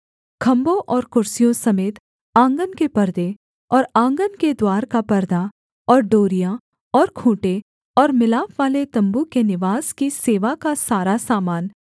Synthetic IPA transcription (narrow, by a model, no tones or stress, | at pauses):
kʰɐ̃mbõʔɔːɾkʊɾsijõsɐmeːt̪ | ãːŋɡənkepɐɾd̪e | ɔːɾãːŋɡənked̪waːɾkapɐɾd̪a | ɔːɾɖoːɾijã | ɔːɾkʰũːʈe | ɔːɾmɪlaːfʋaːlet̪ɐ̃mbukenɪʋaːzkiseːʋakasaːɾasaːmaːn